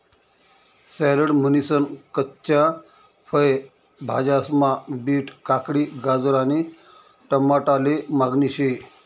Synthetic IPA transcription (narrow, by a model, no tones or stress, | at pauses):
sɛləɽmənisənkətːɕa | fəj | bʱad͡ʑasmabiːʈkakɽiːɡad͡zəɾani | ʈəmːaʈalemaɡniɕe